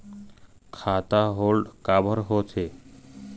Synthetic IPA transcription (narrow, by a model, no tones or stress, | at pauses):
kʰat̪aɦolɖkabʱɔɾɦot͡ɕʰe